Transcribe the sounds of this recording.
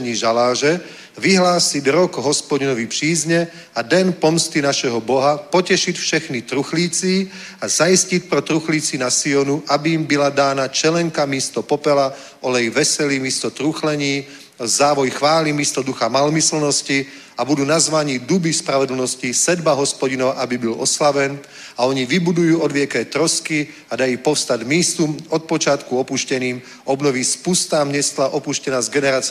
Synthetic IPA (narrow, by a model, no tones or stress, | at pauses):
ɲiːʒalaːʒɛ | ʋiɦlaːsiɟɾɔɡɦɔspɔɟinɔʋipr̥iːzɲɛ | ad̪ɛnpɔmst̪inaʃɛɦɔbɔɦapɔcɛʃicfʃɛxnit̪ɾuxliːt͡si | azaiscic̪̚pɾɔt̪ɾuxliːt͡sinasiɔnuʔabiːmbilad̪aːnat͡ʃɛlɛŋkamiːst̪ɔpɔpɛla | ɔlɛjʋɛsɛlimiːst̪ɔt̪ɾuxlɛɲiː | zaːʋɔjxʋaːlimist̪ɔd̪uxamalmisl̩nɔsci | abud̪uːnazʋaɲiːd̪ubispɾaʋɛd̪l̩nɔscisɛd̪baɦɔspɔɟinɔʋaʔabibilɔ̰slaʋɛn | aɔɲiʋibud̪ujuːɔd̪ʋɪɛkɛːt̪ɾɔski | ad̪ajupɔfst̪aɟmiːst̪umɔt̪̚pɔt͡ʃɪat̪kuɔpuʃcɛniːm | ɔbnɔʋispust̪aːmɲɛst̪laʔɔpuʃcɛnaːzɡɛnɛɾaːt͡s